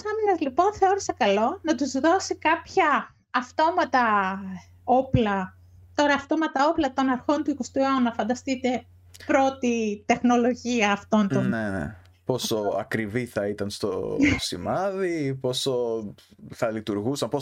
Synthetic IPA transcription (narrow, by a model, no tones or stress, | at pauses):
sɐminɐzlipo̞nθe̞o̞ɾisɐkɐlo̞nɐt̪uzðo̞sikɐpçɐː | ft̪o̞mɐt̪ɐ | o̞plɐ | t̪o̞ɾɐːft̪o̞mɐt̪ɐo̞plɐt̪o̞nɐɾxo̞nt̪uikost̪uonɐfɐnd̪ɐst̪it̪e̞ | pɾo̞t̪it̪e̞xno̞lo̞ʝiɐːft̪o̞nt̪onnenḛ | po̞soɐ̰kɾiviθɐit̪ɐnst̪o̰sḭmɐðipo̞so | θɐlit̪uɾɣusɐmpo